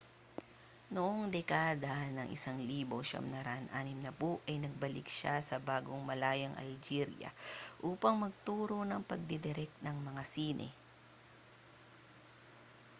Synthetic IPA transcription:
noʔoŋd̪ɛkaːd̪ɐnɐŋʔɪ̰saŋliːbo̞ʃɐ̰mnɐɾɐ̰ʔɐnʔaːnɪmnɐpoʔɐjnɐɡ̚bɐlɪ̰k̚ʃasɐbaːɡoŋmɐlaːjɐŋʔɐ̰ld͡ʒiɾjɐ̰ʔuːpɐŋmɐɡ̚t̪uːɾo̞nɐŋpɐɡ̚d̪ɛd̪ɛɾɛk̚nɐŋmɐŋasiːnʔɛ̰

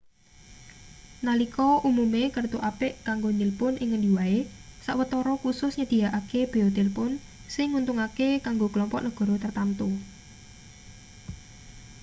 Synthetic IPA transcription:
nalikɔʔumumekərt̪uʔapɪʔkaŋɡonɪlpʊnɪŋːəndiwaesaʔwət̪ɔɾɔkusʊsɲəd̪̥i̤aʔakeb̥e̤od̪elpʊn | sɪŋːunt̪uŋakekaŋɡoɡ̥əlɔmpɔʔnəɡ̥ɔ̤ɾɔt̪ərt̪ant̪u

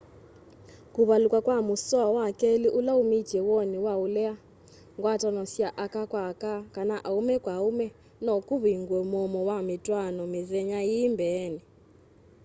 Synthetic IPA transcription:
kuβalukʼwakwamusɔawakɛliʔulaumi̥d͡ʒʱɛwɔniwaulɛa | ŋɡwatʼanɔsiaʔakakwakakanaʔaumɛkʼwaumɛ | nɔkuβiŋɡwɛmɔmɔwamitʼwanɔmizɛɲajimbʱɛːni

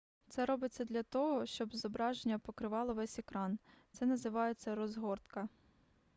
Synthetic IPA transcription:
t̪sɛɾɔbɪt͡sʲːɐd̪lʲɐt̪ɔɦɔʃt͡ʃɔbzɔbɾɑʒenʲːɐpɔkɾɪʋɑlˠɔʋɛsʲekɾɑnt̪sɛnɐzɪʋɑjet͡sʲːɐɾɔzɦɔrt̪kɐ

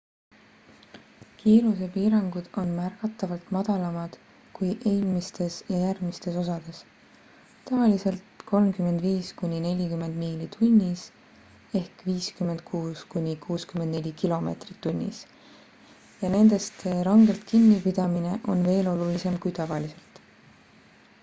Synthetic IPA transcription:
kʰiːɾuse̞piːɾɑŋɡ̥ud̪̥o̞nmærɡ̥ɑt̪ːˑɑvɑlt̪mɑd̪̥ɑlɑmɑd̪̥ | kujʔeːlmist̪e̞sjɑjærɡmist̪e̞so̞sɑd̪̥e̞s | t̪ɑvɑlise̞lt̪kʰo̞lmkyme̞nd̪viːskunʲine̞lʲikyme̞nd̪̥miːlit̪ʰunʲːis | e̞hkviːskymend̪̥̚kʰuːskunʲikʰuːskymend̪ne̞lʲikilo̞me̞̰t̪rit̪ːunʲːḭs | jɑne̞nd̪̥e̞st̪seɾɑŋɡe̞lt̪kinːipid̪̥ɑmine̞ʔo̞nve̞ːlo̞lulise̞mkujt̪ɑvɑlise̞lt̪

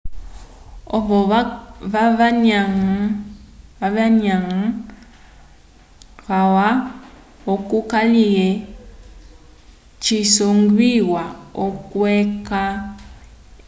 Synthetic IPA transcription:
oβɔβaɲaŋ | aβaɲaŋ̩ | ɣawa | okukalie | t͡ʃisoŋɡwiwaokweka

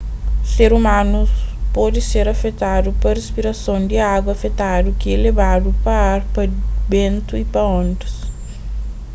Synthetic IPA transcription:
seɾumãnuspɔd̪iseɾɐfet̪ad̪upɐrespiɾɐsõwd̪iaɡwɐfet̪ad̪ukielebad̪upɐaɾpɐbẽnt̪uipɐõnt̪ɐs

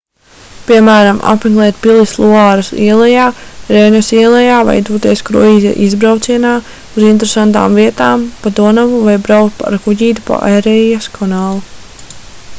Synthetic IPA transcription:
piɛmæːɾamʔa̰pmɛɡlˠɛːt̪̚pilˠislˠuaːɾusḭɛlˠɛjaːɾejnɔsiɛlˠɛjaːva̰jd̪uːt̪iɛskɾṵiːzʲa̰ʔizbɾawt̪siɛnaː | uzint̪eɾesant̪a̰ːmviɛt̪aːmpad̪uɔnavuvajbɾawkt̪̚pa̰ɾkuɟiːt̪pa̰ʔeɾɛjaskʰɔnaːlˠu

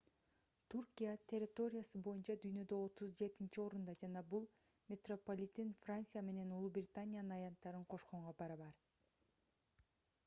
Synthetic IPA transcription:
t̪ʰurkʲijat̪ʲʰe̞rʲːɪt̪o̞ɾʲɪjasɯbo̞junt͡ʃɑd̪yjnø̞d̪ø̞o̞t̪uzd͡ʒe̞t̪int͡ʃio̞ɾund̪ɑd͡ʒɑnɑbulˠ | mʲet̪ropolʲit̪ːinfrant̪sɨjame̞ne̞nulˠubrʲɪt̪anʲijanɯnɑjɑnt̪ːɑɾɯɴqʰo̞ʃqoɴʁɑbɑɾɯβɑɾ

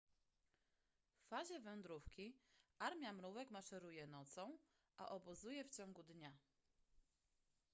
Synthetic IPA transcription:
fːaʑɛvɛnd̪ɾufkʲiʔaɾmʲjamɾuvɛkmaʂɛɾujɛnɔt̪sɔ̃w̃ | ʔa̰ʔɔbuzujɛft͡ɕɔ̃ŋɡud̪ɲa

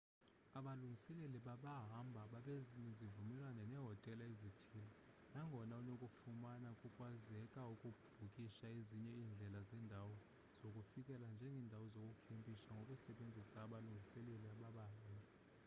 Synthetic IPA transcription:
aɓaluŋɡʱisɛleliɓaɓaɦambʱaɓaɓeziɲɛzivumɛlwanɛnɛɦɔtʼɛlaezitʰilɔ | naŋɡʱɔnaunokʼufumanakʼukʼwazɛkʼaukʼub̥ʱukʼiʃaeziɲɛiːnd͡ɮʱɛlazɛːndʱawɔ | z̥okʼufikʼɛland͡ʒʱɛŋɡʱɛndʱawɔzokʼukʰempʼiʃaŋɡʱokʼusɛɓend͡zʱisaːɓaluŋɡʱisɛleliaɓaɓaɦambʱa

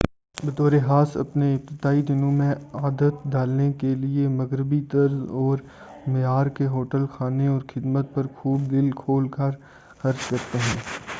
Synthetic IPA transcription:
bɐt̪oːɾeɦaːsɐ̰pneɪp̚t̪ɪd̪aːid̪ɪnõmẽaːd̪ət̪d̪aːlnekeliemɐɣɾɪbit̪ɐɾzɔːɾ | mɪjaːɾkeɦoːʈəlxʰaːneɔːɾxɪd̪mət̪̚pɐɾxʰuːbd̪ɪlkʰoːlkəɾ | xɐɾzkɐɾt̪eɦɛ̃ː

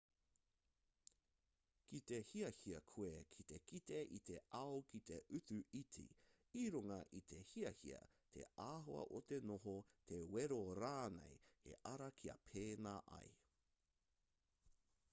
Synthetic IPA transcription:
kit̪e̞hiɐhiɐkʰuekʰit̪ekit̪eʔit̪eɐokʰit̪eʔʉt͡sʉitʰḭ | iɾuŋɐʔit̪ʰehiɐhiɐ̰ | t̪ʰḛʔaːɦoɐ̰ʔot̪enoɦotʰeweɾoɾaːnḛjhḛʔɐɾɐkʰiɐ̰pʰeːnaːʔɐ̰j

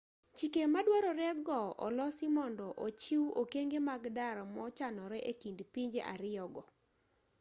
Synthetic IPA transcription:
t͡ʃikemadwaɾɔɾɛɡɔʔɔ̰lɔsimɔndɔʔot͡ʃiwokeŋɡemaɡdaɾɔmɔt͡ʃanɔɾɛʔekindpiɲd͡ʒeʔaɾɪjɔɡɔ

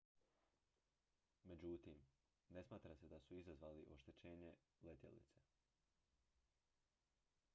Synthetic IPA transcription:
me̞d͡ʑut̪im | ne̞smaːt̪ɾase̞d̪asuizazʋaːliʔo̞ʃt̪e̞t͡ɕeːɲe̞ | let̪jḛlḭt̪se

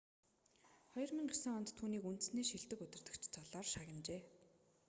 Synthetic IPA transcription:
χɔjɞ̆rmĭŋɢesɘ̆ŋɔnt̪ʰːuːniːkun̥t̪ɘ̆sniːʃiɮt̪ɘ̆kɵt̪ʲɪ̆r̥t̪ɵ̆kt͡ɕʰt͡sʰɔɮaːrʃaɣʲɪ̆nt͡ɕeː

